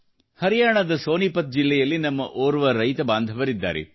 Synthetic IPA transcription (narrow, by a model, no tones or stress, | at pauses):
hɐɾijaːɳɐd̪ɐsoːnipɐt̪̚d͡ʒilːɛjɐlːinɐmːɐ̰ʔoːɾuʋɐɾɐjt̪ɐbaːnd̪ʱɐʋɐɾid̪ːa̰ːɾɛ̰